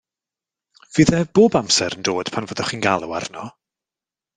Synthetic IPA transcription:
v̥iːðɛb̥oːbamsɛɾəndoːd̥pʰanvoːdɔχiːnɡalˠʊwa̰rnɔ

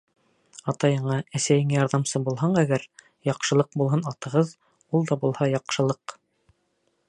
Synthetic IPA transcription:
ɑt̪ɑjɤ̆ɴɑæsæjɘŋæjɑɾðɑmsɤbulˠɦɑɴæɡæɾ | jɑqʃɤ̆lˠɤq̚bulˠɦɤnɑt̪ɤ̆ʁɤð | ulˠd̪ɑbulˠhɑjɑqʃɤ̆lˠɤq

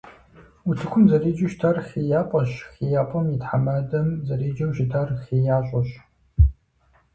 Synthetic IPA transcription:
utʰɨkʷʰʊmzɐriːd͡ʒɪʃtʰarxijaːpʼɐɕxijaːpʼɐmitħamɐdɐmzɐriːd͡ʒɐwʃɪtʰarxijaːɕʷʼɔɕ

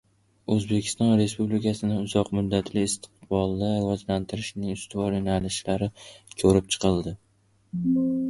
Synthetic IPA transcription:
ɵzbe̞kʲɪ̥st̪ɒnɾe̞spublɪkʲʰasɪnɪʊzɒqmʊd̪ːat̪ʰlɪːst̪ʰɪ̥qbɒlˠd̪avɒzlant̪ʰɪɾɪʃnɪŋʊst̪ɪvɒɾjonalɪʃlaɾɪkʲʰɵɾɪp̚t͡ʃʰɨ̥qɨlˠd̪ɪ

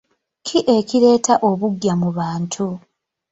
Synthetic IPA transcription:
kʰiʔe̞ciɾe̞ːtaʔo̞βuɡjamuβaːntʰu

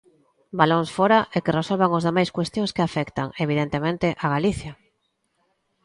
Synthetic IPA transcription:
baloŋsfoɾaʔekɪresolβaŋozðemajskwest̪jõŋskɪafɛkt̪aŋeβ̞iðent̪emẽnt̪ɪʔaɣaliθjɐ

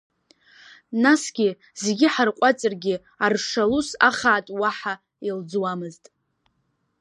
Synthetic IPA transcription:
nasɡʲɪ | zeɡʲɪħarqʷʼat͡sʼɨrɡʲɪ | arʂalusaχaːtʼwaħa | ild͡zwamɨztʼ

